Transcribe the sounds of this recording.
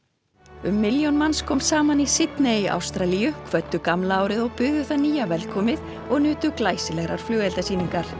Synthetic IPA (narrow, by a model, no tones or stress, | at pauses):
ʏmːɪljownmanskʰɔːmsaːmanisɪt̪neʔa̰wst̪ɾalijʏkʰvœt̪ːʏkamlaaːwɾɪðɔɣpʏɣðʏθaniːjavɛlkʰɔːmɪð | ɔɣnʏːt̪ʏklaːjsɪlɛɣɾaɾ̥flœːɣɛlt̪asiːniŋkaɾ̥